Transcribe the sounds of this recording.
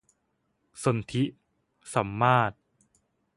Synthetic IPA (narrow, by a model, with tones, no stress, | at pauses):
so˧nt̪ʰi˦˥ʔ | sa˩˦mːaː˥˩t̪̚